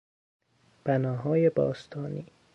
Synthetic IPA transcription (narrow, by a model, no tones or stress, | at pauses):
b̥ænɒːɦɒːjebɒ̰ːst̪ʰɒːniː